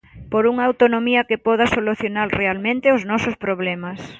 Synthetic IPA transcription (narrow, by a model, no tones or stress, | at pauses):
poɾuŋaawt̪onomiɐkepɔð̞ɐsoluθjonalrealmẽnt̪ɪʊznɔsʊspɾoβlɛmas